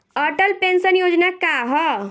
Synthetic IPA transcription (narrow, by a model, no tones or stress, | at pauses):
əɾʈəlpensənjod͡ʒnakaɦɔ